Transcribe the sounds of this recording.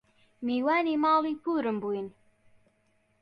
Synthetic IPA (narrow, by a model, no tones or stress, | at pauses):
miːwaːniːmɑːliːpuːɾɨmbuːjin